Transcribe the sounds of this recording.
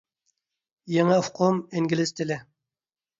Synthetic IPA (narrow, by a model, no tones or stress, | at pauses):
jeŋɪfqʰomɪŋɡʲilɪst̪ʰɪlɪ